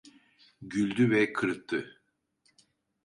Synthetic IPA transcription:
ɟylʲd̪yvɛkʰɯɾɯt̪ʰːɯ

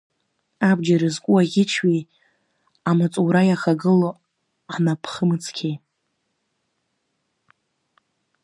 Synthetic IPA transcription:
abd͡ʒaɾazkʷʼuaʁʲɪt͡ʃʰɥi | amat͡sʼuɾajaχaɡɨlo | napʰχəmɨt͡sʰkʲʰej

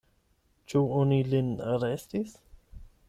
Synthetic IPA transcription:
t͡ʃuonilinaɾestis

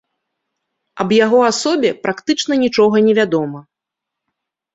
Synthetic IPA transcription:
ɐbjaɣɔasɔbʲɛpɾʔakt̪ɨt͡ʂnɐnʲit͡ʂɔɣɐnʲɛvʲad̪ɔmɐ

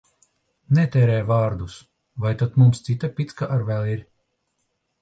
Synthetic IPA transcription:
nɛt̪ɛːɾɛːjvaːɾd̪us | vajt̪at̪mumst̪sit̪apʲit̪skaʔaɾvɛlˠiɾ

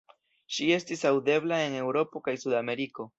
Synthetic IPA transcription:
ʃie̞stisawde̞blae̞ne̞wɾo̞po̞kajsudame̞ɾiko̞

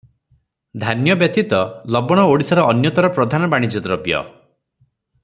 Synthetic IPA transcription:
d̪ʱanjɔbjɔt̪it̪ɔlɔbɔɽ̃ɔoɽisɔɾɔːnjɔt̪ɔɾɔpɾɔd̪ʱanɔbaɽ̃id͡ʒɔt̪ɔɾɔpijɔ̰

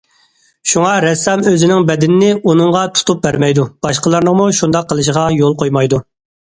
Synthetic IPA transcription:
ʃuŋɑɾɛsːɑmøzɪnɪŋbɛd̪ɪnɪnɪunɨŋʁɑt̪ʰu̥t̪up̚bæɾmɛjd̪ub̥ɑʃqəlˠɨɾnəŋmuʃund̪ɑqʰːəlˠɨʃ̬ʁɑjolˠqʰojmɑjd̪u

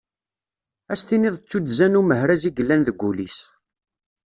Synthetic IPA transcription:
æst̪inɪðˤt͡sːud̪zænuməhɾæziɡəlːænðəɡʷːulis

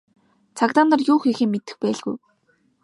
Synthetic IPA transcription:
t͡sʰakt̪aːnɔ̆rjʊːxixeːŋmːet̪ɘ̥̆xpæːɮɣṵj

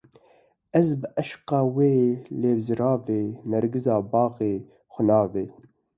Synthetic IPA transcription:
ʔɛzbɨʔɛʃqɑːweːleːbzɨɾɑːveːnɛɾɡɨzɑːbɑːɣeː | xʷʊnɑːveː

